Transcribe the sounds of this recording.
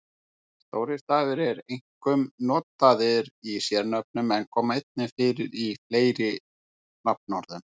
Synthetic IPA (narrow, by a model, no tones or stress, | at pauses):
st̪oːwɾɪst̪aːvɪɾɛɾejŋ̥kʏmnɔːt̪aðɪɾisjɛɾnœp̚nʏmɛnkʰɔːmaejt̪̚nɪfɪːɾɪɾifleːjɾɪ | nap̚nɔɾðʏn